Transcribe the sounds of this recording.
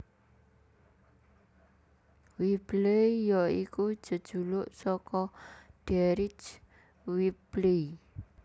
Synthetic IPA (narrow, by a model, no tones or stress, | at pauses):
wib̥leijɔiku̥d͡ʒ̥ə̤d̥ʒ̥ulʊʔsɔkɔɖ̥ɛɾit͡ʃ | wib̥le